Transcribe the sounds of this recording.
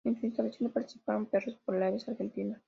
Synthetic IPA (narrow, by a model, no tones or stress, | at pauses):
ensuĩnst̪alasonopaɾt̪i̥si̥paɾompesospoɾlaβesaɾxent̪ina